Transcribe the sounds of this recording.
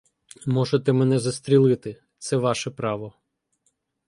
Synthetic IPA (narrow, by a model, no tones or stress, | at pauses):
mɔʒet̪ɛmɛnɛzɐst̪ɾʲilˠɪt̪ɪ | t̪sɛʋɑʃɛpɾɑʋɔ